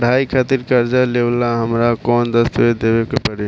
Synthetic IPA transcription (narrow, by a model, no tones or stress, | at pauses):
ɽʱaikʰat̪iɾkəɾd͡ʒalelaɦəmɾakɔnd̪əst̪ued̪ebekepəɽ